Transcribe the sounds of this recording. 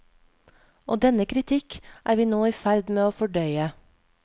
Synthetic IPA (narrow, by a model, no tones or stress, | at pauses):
ʔoːd̪ɛnəkʰɾɪt̪ʰɪkʔæːɾʋiːnoːiːfæɾd̪meːoːfɔɖœʏə